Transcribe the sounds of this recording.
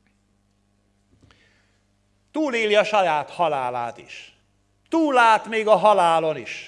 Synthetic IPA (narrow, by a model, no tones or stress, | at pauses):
t̪uːleːliɒʃɒjaːt̪hɒlaːlaːt̪iʃ | t̪uːlːaːt̪meːɡɒɦɒlaːloniʃ